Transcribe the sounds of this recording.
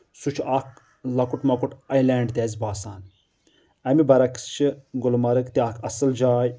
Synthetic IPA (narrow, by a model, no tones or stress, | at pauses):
sut͡ʃʰɐk | lɐkuʈmɐkuʈɐjlɛːɳɖt̪ʲɛːzʲbaːsaːn | ɐmibɐɾɐkst͡ʃʰiɡʊlmɐɾɨkt̪iɐkʰɐsɨld͡ʒaːj